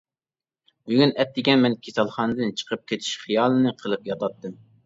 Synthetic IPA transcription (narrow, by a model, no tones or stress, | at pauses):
byɡʲynɛt̪̚d̪ɪkʲɛnmɛnkʲʰesɑlˠχɑnɨd̪ɨnt͡ʃʰə̥qʰəp̚kʲʰet̪ʰi̥ʃχɨjɑːlˠɨnɨqʰəlˠɨpjɑt̪ʰɑt̪ːɨm